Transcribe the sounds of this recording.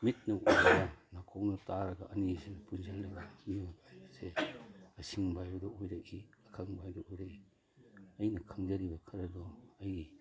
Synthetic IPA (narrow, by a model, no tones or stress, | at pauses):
mit̚nɐojɾɐɡanakʰoknɐtaɾɐɡɐʔɐnizepunzalːɐɡamijonseɐsiŋbajbɐdɔojɾɐk̚iɐkʰaŋbajdɔujɾe | ɐjnɐkʰaŋdɐɾibɐkʰɐɾɐdɔɐj